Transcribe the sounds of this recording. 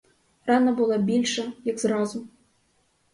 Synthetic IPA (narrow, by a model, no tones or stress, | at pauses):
rɑnɐbʊlˠabʲilʲʂɐjɐɡzrɑzʊ